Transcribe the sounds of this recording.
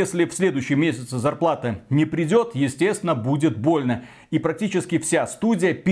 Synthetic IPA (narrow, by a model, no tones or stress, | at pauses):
esʲlʲɪfsʲlʲe̞d̪ʊjʏɕːɪjmʲesʲɪt̪sɨzɐrplˠat̪ɨnʲɪpɾʲɪdʲo̞t̪jɪsʲtʲest̪vʲɪnəbudʲɪt̪̚bo̞lʲnə | ipɾɐk̚tʲit͡ɕɪskʲɪfsʲast̪udʲɪjəpʲ